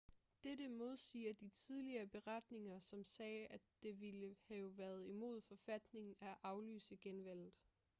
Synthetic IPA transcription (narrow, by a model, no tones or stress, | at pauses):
d̥eɾəmo̝ð̞ˠsḭːɐd̥it͡sʰið̞ˠliɐːb̥e̝ʁad̥ne̝ŋɐsɒ̽msɛːʔæd̥e̝ʋiləhæoʋæːɐð̞̩ˠimo̝̰ð̰ˠfɒ̽fæd̥ne̝ŋn̩æʔɑ̈ʊly̰ːsəɡ̥enʋæl̰ð̩ˠ